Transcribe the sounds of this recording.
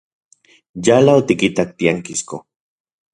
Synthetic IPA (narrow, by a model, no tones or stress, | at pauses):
jalaot̪ikit̪ak̚t̪iaŋkisko